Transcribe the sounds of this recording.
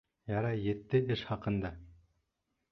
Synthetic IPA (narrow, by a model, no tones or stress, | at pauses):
jɑɾɑjɘ̆t̪ːɘɘʃχɑqɤ̆nd̪ɑ